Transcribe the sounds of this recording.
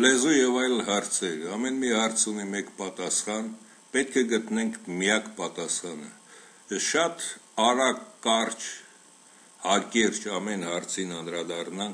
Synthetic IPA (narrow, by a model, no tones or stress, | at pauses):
lɛzujɛvɑjlhɑɾt͡sʰɛɾɑmɛnmihɑɾt͡sʰunimɛkpɑt̪ɑsχɑn | pɛt̪̚kʰɛɡət̪nɛŋkʰmijɑkpɑt̪ɑsχɑnə | ʃɑt̪ɑɾɑkːɑɾt͡ʃʰ | hɑkɛɾt͡ʃʰɑmɛnhɑɾt͡sʰinɑnɾɑd̪ɑrnɑŋk